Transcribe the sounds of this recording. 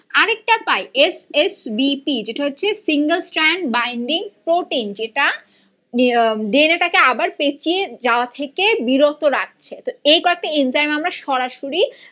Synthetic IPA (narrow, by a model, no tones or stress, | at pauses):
aɾek̚ʈapajesesbipid͡ʑeʈaɦotːɕʰesiŋɡəlsʈɾaɳɖbajɳɖiŋpɾoʈind͡ʑeʈa | ɖ̪eneʈakeabaɾpet͡ɕied͡ʑaoat̪ʰekebiɾot̪oɾak̚t͡ɕʰet̪oejkɔek̚ʈainzajmamɾaʃɔɾaʃoɾi